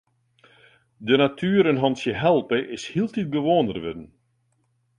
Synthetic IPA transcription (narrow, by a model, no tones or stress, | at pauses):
dənatʰyːɾənɦɔnsjəɦɛlˠpəʔɪshilˠtit̚bəʋoːndərʋʏ̰dən̩